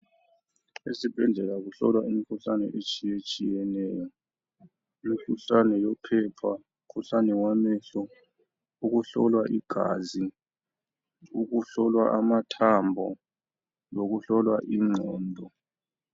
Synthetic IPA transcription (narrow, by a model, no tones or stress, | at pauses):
esib̥ʱɛnd͡ɮʱɛlaɣuɬɔ̰lwaimikʰuɬanɛ̰ʔet͡ʃʼijet͡ʃʼijɛnɛːjɔ | imikʰuɬanɛjɔpʰɛpʰa | ukʰuɬanɛwamɛɬɔ | uɣuɬɔ̰lwaʔiɡ̥ʱa̰zi | uɣuɬɔlwa̰ʔamatʰambʱɔ | loɣuɬɔlwaʔiŋ͡ǀʱɔːndʱɔ